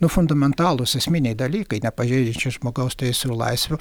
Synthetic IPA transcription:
nʊfʊnd̪ɐmʲɛnt̪ɑːlˠʊsɛsʲmʲinʲɛɪd̪ɐlʲiːkɐɪnʲɛpɐʒʲɛɪd͡ʒʲɪnʲt͡ʃʲʊʒmoːɡɐʊst̪ʲɐjsʲʊlˠɐ̰ɪsʲʋʲʊ

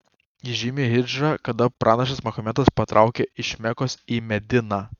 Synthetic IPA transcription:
jiʒʲɪmʲeɦʲɪd͡ʒɑkɐd̪ɐpɾʔɑːnɐʃ̬ʲɐsmɐxɔmʲɛt̪ɐspɐt̪ɾʔɑˑʊkʲeɪʃʲmʲɛkoːsiːmʲɛd̪ʲɪnɑː

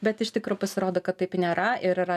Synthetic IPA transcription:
bʲɛt̪ɪʃt̪ʲɪkɾoːpɐsʲɪɾoːd̪oːkɐt̪tːɐɪpnʲeːɾɐɪɾɪɾɐ

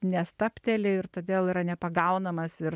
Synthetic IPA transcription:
nʲɛst̪ɐpʲt̪ʲɛlʲɪɪrt̪oːd̪ʲeːlˠiːɾɐnʲɛpɐɡɐʊnɐmɐsɪɾ

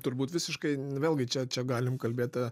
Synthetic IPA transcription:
t̪ʊɾbuːt̪ʋʲɪsʲɪʃkɐɪʋʲeːlˠɡʲɪt͡ʃʲɛt͡ʃʲɛɡɑːlʲɪmkɐlʲbʲeːt̪ɐ

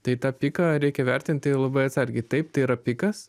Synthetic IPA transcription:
t̪ɐɪt̪ɑːpʲɪːkɐɾʲɛɪkʲɛʋʲɛrʲt̪ʲɪnʲt̪ʲtɐɪlˠɐbɐɪɐt̪sɐɾʲɡʲɛɪt̪ɐɪp̚t̪ɐɪiɾɐpʲɪkɐss

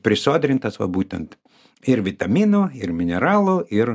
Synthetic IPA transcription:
pʲɾʲɪsoːd̪ʲɾʲɪnt̪ɐsʋɐ̰buːt̪ʲɛ̰nt̪ | ɪɾʋʲɪt̪ɐmʲiːnuːɪrmʲɪnʲɛɾɑːlˠoɪr

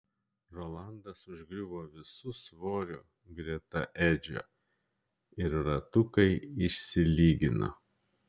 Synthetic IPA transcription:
ɾolˠɑˑnd̪ɐsʊʒʲɡɾʲʊboːʋʲɪsʊsʋoːɾʲʊ | ɡɾʲiɛt̪ɐʔæd͡ʒʲo̰ː | ɪɾɾɐt̪ʊkɐɪɪʃʲsʲɪlʲiːɡʲɪno̰

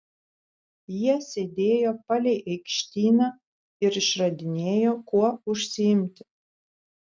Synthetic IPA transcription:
jiɛsʲeːd̪ʲeːjoːpɐlʲɛɪʔɛɪkʃʲt̪ʲiːnɐ | ɪɾɪʃɾɐd̪ʲɪnʲeːjoːkuɔʊʃʲsʲɪɪmʲt̪ʲɪ̥

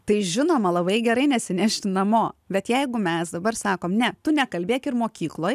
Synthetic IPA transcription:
t̪ɐɪʒʲɪnoːmɐlˠɐbɐɪɡʲɛɾɐɪnʲɛsʲɪnʲæʃʲt̪ʲɪnɐmoːbʲɛt̪jɛɪɡʊmʲɛsd̪ɐbɐɾsɑːkoːmnʲɛt̪ʊnʲɛkɐlʲbʲeːkʲɪrmoːkʲiːklˠoːj

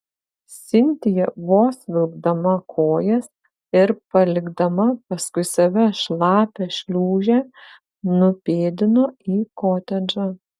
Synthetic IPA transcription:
sʲɪnʲt̪ʲɪjɛʋoːsʋʲɪlˠɡd̪ɐmɐkʰoːjɛs | ɪɾpɐlʲɪɡd̪ɐmɐpɐskʊɪsɐʋʲɛʃlˠɑːpʲɛʃʲlʲuːʒʲɛː | nʊpʲeːd̪ʲɪnoːiːkoːt̪ʲɛd͡ʒʲɐ

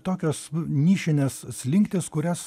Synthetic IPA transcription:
t̪oːkʲoːsnʲiːʃʲɪnʲeːssʲlʲɪŋkt̪ʲɪskʊɾʲɛs

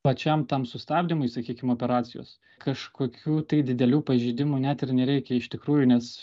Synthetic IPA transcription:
pɐt͡ʃʲɛmt̪ɐmsʊst̪ɑːbʲd̪ʲɪmʊɪsɐkʲiːkʲɪmoːpʲɛɾɑːt͡s̪ʲɪjo̰ːs | kɐʃkoːkʲuːt̪ɐɪd̪ʲɪd̪ʲɛlʲuːpɐʒʲiːd̪ʲɪmunʲæt̪ɪrnʲɛɾʲɛɪkʲɛɪʃt̪ʲɪkɾuːjʊnʲɛs

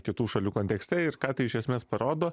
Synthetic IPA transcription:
kʲɪt̪uːʃɐlʲuːkoːnt̪ʲɛksʲt̪ʲɛɪɾkɑːt̪ɐɪɪʃʲɛsʲmʲeːspɐɾoːd̪oː

